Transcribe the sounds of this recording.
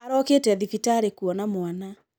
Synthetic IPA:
aɾɔketɛðifitaɾekuɔnamwana

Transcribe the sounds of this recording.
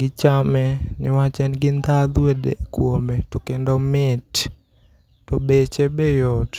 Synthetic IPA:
ɡɪt͡ʃamɛnɪwat͡ʃɛnɡɪnd̪ad̪wedḛkwometɔkendomɪt | tɔbet͡ʃebejɔt

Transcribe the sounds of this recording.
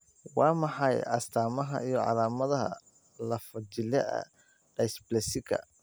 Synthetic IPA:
wɑːmɑħɑjʔɐst̪ʰaːmɐɦɐ̰ʔijɞʕɑ̰laːmɐðɐɦɐ̰ | lɐfɐt͡ʃɪlɛɐ̰ | ɖ̥ɐjsblɛsɪɡʰɐ̰

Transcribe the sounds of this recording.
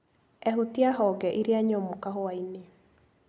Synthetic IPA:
ɛɦutiaɦɔɡɛʔiɾeaɲɔmokaɦoaine

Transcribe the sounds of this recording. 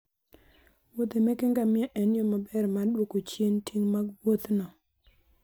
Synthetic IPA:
wot̪emekɪŋɡamɪɛʔɛnjɔmabɛrmaɗwokot͡ʃjentʰiŋmaɡwot̪nɔ

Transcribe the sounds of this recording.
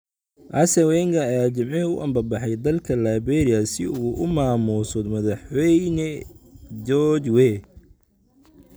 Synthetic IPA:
ʔɐsɐwɛŋkʰɐɐjaːt͡ʃɐmʕɛʊ̰ʔɐmbɐbɑħɑjd̪ɐlkʰɐlaːbɛːɾɪɐsɪuːʔʊmaːmuːsɔd̪mɐðɑħwɛjnɛ | d͡ʒɔt͡ʃwɛ

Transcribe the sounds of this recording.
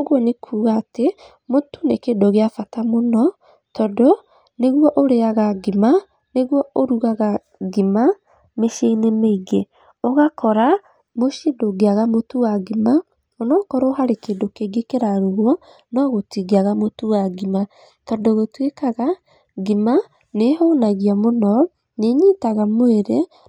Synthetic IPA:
oɣwɔnekʰuːɣaːte | motunekeːndoɣeafatamonɔ | tɔdo | neɣwɔʔoɾeaɣaɡima | neɣwɔoɾuɣaɣa | ɡima | meʃeinemeiɡe | oɣakɔɾa | moʃidoɡeaɣamotuwaɡima | onɔkɔɾoːɦaɾekeːndokeɡekeɾaɾoɣwɔ | nɔɣotiɡeaɣamotuwaɡima | tɔdoɣotwekaɣa | ɡima | neɦonaɣiamonɔ | neɲiːtaɣamoeɾe

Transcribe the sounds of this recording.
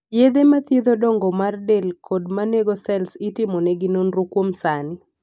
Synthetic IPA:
jed̪emat̪jed̪odɔŋɡɔmardelkʰodmaneɡɔsɛlsɪtɪmɔnɛɡɪnonɾokwomsanɪ

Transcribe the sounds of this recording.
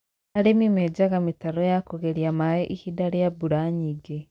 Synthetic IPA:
aɾimimed͡ʒaɣamitaɾojakoɣeɾjamaeʔihidaɾijabuɾaɲiɡe

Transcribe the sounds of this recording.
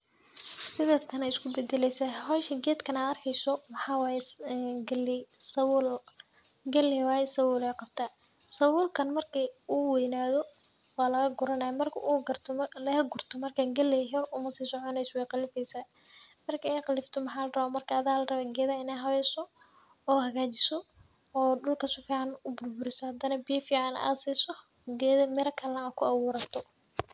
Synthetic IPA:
sɪðɛːt̪ʰɐnɐɪskʰʊbɛd̪ɛlɛjsɐɦɔːʃɐɡɛːd̪kʰɐnaːd̪ɐrkʰɛjsɔmɐħɑːwaːjɛɡɐlɪsɐwl | ɡɐlɪwaːjɛsɐwʊːlɛːqɑb̚t̪ʰa | sɐwʊːlkʰɐnmɐrkʰiuːwɛjnaːðɔ | wɑːlɐɣɐɡʊɾɐnɐjɐmɐrkʰɐʔuːɡɐrt̪ʰɔmlɐhɐɡʊrt̪ʰɔmɐrkʰaːɡɐlːɛɦɔrʊmɐsiːsɔʕɔnɛjswɛjqɑlɪfɛjsaː | mɐrkʰɐɛjqɑlɪft̪ʰɔmɐħaːlɐrɐβaːmɐrkʰɐːðaːlɐrɐβaːɡɛːðaɪnɛːɦɐβɛjsɔ | ɔːɦɐɣaːt͡ʃɪsɔː | ɖʊlkʰɐsʊfiːʕɑnʊbʊrbʊɾɪsɔhɐd̪ɐnɐbɪjɐfiːʕɑna̰ːsɛsɔ | ɡɛðmɛɾɐkʰɐlɐnɐakʰʊɐwʊːɾɐt̪ʰɔ

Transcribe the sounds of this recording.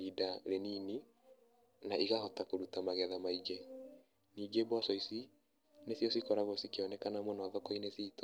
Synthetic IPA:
idaɾenini | naʔiɣahɔtakoɾutamaɣɛðamaid͡ʒɛ | niːɡebwɔsɔisi | nesjɔsikɔɾaɣosikeɔnɛkanamwɔnɔaðɔkɔinesiːtɔ̥

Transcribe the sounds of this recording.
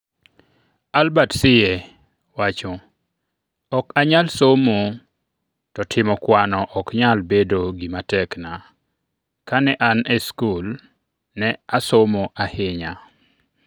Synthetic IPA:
albatsɪje | wat͡ʃɔ | ɔkaɲalsomo | tɔtʰɪmɔkwanɔʔɔkɲalbedoɡimatɛkna | kanɛʔanɛskul | nɛasomoʔahɪɲa

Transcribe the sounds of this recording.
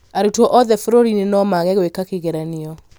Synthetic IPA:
aɾutwɔʔɔðɛfoɾoɾinenɔmaɣɛɣwekakeɣɛɾaneɔ

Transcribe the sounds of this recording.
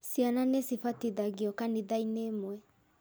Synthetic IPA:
sjananesifatiðaɡiɔkaniðainemwɛ

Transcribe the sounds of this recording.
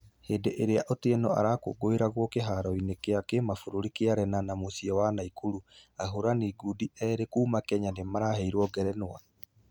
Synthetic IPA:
heːndeʔeɾeaʔoteɛnɔa̰ɾako̰ɡoeɾaɣwɔkeɦaɾɔinekeakemafoɾoɾikeaɾɛnanamosiɔwanaikuɾuaɦoɾaniɡudiɛɾekuːmakɛɲanemaɾahɛiɾwɔɡɛɾɛnwa

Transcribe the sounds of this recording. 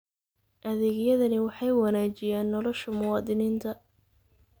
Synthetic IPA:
ʔɐðɛːɣjɐðɐnɪwɑħɑjwɑnaːt͡ʃɪjaːnːɔlɔʃɐmʊwɑːd̪ɪniːnt̪ʰɐ

